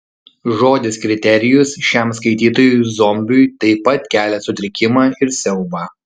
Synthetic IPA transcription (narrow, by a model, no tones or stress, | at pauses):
ʒoːd̪ʲɪskɾʲɪt̪ʲɛɾʲɪjʊsʃʲɛˑmskɐɪt̪ʲiːt̪oːjʊzɔmʲbʲʊjt̪ɐɪpɐt̪kʲæːlʲɛsʊt̪ʲɾʲɪkʲɪmɑːɪɾsʲɛʊbɑː